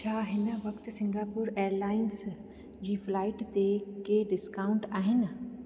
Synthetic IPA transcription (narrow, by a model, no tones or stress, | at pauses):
t͡ɕʰaːɦɪnə̆ʋɐkt̪̆sɪ̃ŋɡaːpuːɾeːəɾlaːɪns | d͡ʑiːflaːɪʈt̪ekeɖɪskaːʊ̃ɳʈaːɦɪnɪ̆